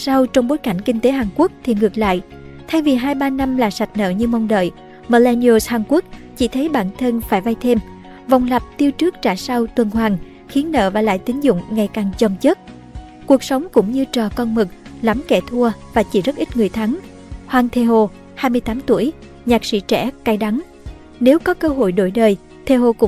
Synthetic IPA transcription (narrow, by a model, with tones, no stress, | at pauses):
sa˧wt͡ɕɔ˧wŋ͡mɓo˨˦jka˧˩jŋ̟ki˧ŋ̟t̪e˨˦ɦaː˨˩nku˦˥ək̚t̪ʰi˨˩ŋɨ˨˩ək̚la̰ː˧˨jʔ | t̪ʰa˧jvi˨˩ɦaː˧jɓaː˧na˧mlaː˨˩sa˨˩jt̟̚nə̰ː˧˨ɲɨ˧mɔ˧wŋ͡mɗə̰ː˧˨j | məː˧˩lɛ˧ni˧o˧shaː˨˩nku˦˥ək̚t͡ɕi˧˩t̪ʰə˨˦jɓa̰ː˧˩nt̪ʰə˧nfaː˧˩jva˧jt̪ʰe˧m | vɔ˨˩wŋ͡mla˨˩p̚t̪i˧əwt͡ɕɨ˦˥ək̚t͡ɕaː˧˩sa˧wt̪wə˨˩nɦwaː˨˩ŋ | xi˨˦ənːə̰ː˧˨vaː˨˩la̰ː˧˨jt̪ï˨˦ŋ̟zʊ̰˧˨ŋ͡mŋa˨˩jkaː˨˩ŋt͡ɕə˨˩wŋ͡mt͡ɕə˦˥t̚ | ku˨˩ək̚sə˨˦wŋ͡mkʊ̰˧˥ŋ͡mɲɨ˧t͡ɕɔ˨˩kɔ˧nmɨ˨˩k̚la˨˦mkɛ˧˩t̪ʰu˧əvaː˨˩t͡ɕḭ˧˩zə˦˥t̚ʔi˦˥t̚ŋɨ˨˩əjt̪ʰa˨˦ŋ | hwaː˧ŋt̪ʰe˧ɦo˧ | haː˧jmɨ˧əjt̪aː˨˦mt̪u˧˩əj | ɲaː˨˩k̚sḭ˧˥t͡ɕɛ̰˧˩ka˧jɗa˨˦ŋ | ne˨˦wkɔ˨˦kəː˧ɦo̰˧˨jɗo˧˩jɗəː˨˩j | t̪ʰe˧ho˧kʊ̰˧˥